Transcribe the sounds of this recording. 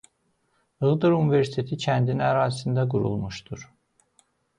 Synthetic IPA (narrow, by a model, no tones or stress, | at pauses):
ɯɣd̪ɯɾuniveɾsi̥t̪ʰe̞t̪ʰicʰænd̪inæɾaːzsind̪æɡuɾṵlˠmuʃt̪ʰuɾ̥